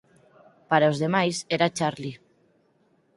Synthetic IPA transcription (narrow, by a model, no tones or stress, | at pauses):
paɾaozðemajseɾat͡ʃaɾli